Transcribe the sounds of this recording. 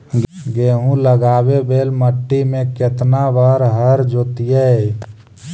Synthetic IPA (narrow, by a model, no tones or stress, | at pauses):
ɡeːɦũləɡaːbebeːlməʈːimẽket̪naʋaɾɦəɾd͡ʒoːt̪ijɛ